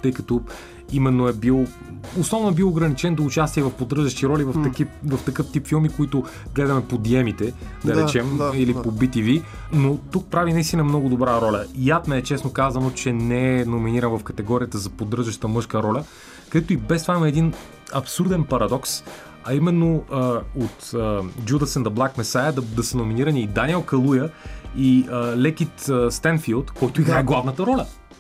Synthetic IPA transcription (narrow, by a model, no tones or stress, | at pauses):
t̪ɤjkɐt̪o | imɛnːoɛbilˠ | oslˠɔvnʊɛbilˠoɡɾɐnit͡ʃɛnd̪oːt͡ʃast̪iɛvɐfpod̪ərʒɐʃt̪iɾɔlʲivɐfkvɐft̪ɐkɤft̪ipfilˠmikʊit̪ʊ | ɡlɛd̪ɐmɛpod̪iɛmit̪ɛd̪ɐɾɛt͡ʃɛmilipobit̪ivi | not̪uk̚pɾavinɐist̪inɐmnɔɡʊd̪obɾaɾɔlʲɐjat̪mɛːt͡ʃɛsnokazɐnot͡ʃɛnɛɛnominiɾɐnvɐfkɐt̪ɛɡɔɾiət̪əzɐpod̪ɾɤʒɐʃt̪əmɤʃkəɾɔlʲɐ | k̪ɛt̪ʊibɛst̪ovaimɐɛd̪in | ɐpsuɾd̪ɛnpɐɾɐd̪ɔks | ɐimɛnːoəot̪ːd͡ʒud̪ɐsɛnd̪ɐblˠakmɛsajəd̪d̪ɐsənominiɾɐniːd̪anʲiɛlˠkɐlˠujəiəlɛk̟it̪əst̪ɛnfilˠt̪kɔjt̪oiɡɾaɛɡlˠavnət̪əɾɔlʲɐ